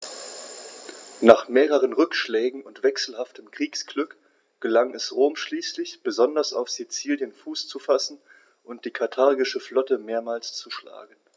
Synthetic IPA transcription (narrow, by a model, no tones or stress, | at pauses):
naːχmeːʁəʁ̞ənʁʏkʃlɛːɡŋ̩ʊntv̥ɛksl̩haftʰəmkʁ̥iːksɡ̥lʏk | ɡ̥əlaŋɛsʁoːmʃliːslɪçb̥əzɔndɐsa̰ʊfz̥it͡siːljənfuːst͡sufasn̩ | ʔʊnt̚d̥iːkʰaɐtʰaɐɡɪʃəflɔtəmeːɐmaːlst͡suʃla̰ːɡn̩